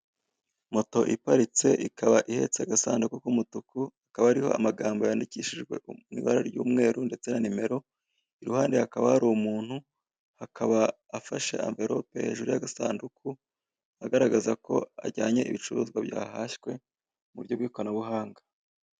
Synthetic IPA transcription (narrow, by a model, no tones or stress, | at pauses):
mo̞to̞ʔipaɾit͡se̞ʔikaβaʔihe̞̰t͡seaɡasaːndukukumutukuakaβaaɾiho̞̰a̰maɡaːmbojaːndiciʃiʒɡwe̞̰ʔuŋḭβa̰ɾaɾjṵːmŋe̞ːɾunde̞t͡se̞nanime̞ɾo̞ | iɾuhaːndehakaβahaɾumuːn̥hu | hakʰaβaː | faʃe̞̰a̰ɱve̞ɾʔo̞pe̞ʒuɾijaɡasaːndukʰu | aɡaɾaɡazako̞̰a̰ɟaːɲe̞ʔiβit͡ʃuɾuːzɡwabja̰ːhaçwe̞ | muɾjo̞bɡiːkwanaβuɦaːŋɡḁ